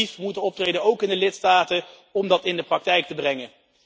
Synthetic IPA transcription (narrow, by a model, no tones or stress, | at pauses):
ifmutənɔp̚trejdənowkɪndəlɪtstaːtə | ɔmdɑtɪndəprɑk̚tɛjk̚təbrɛŋə